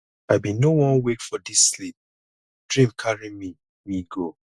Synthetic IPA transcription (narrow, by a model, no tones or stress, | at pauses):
aɪbĩnowɔ̃nwekfɔdisːlip̚ | d̥ɹĩmkʰaɹimi | miɡo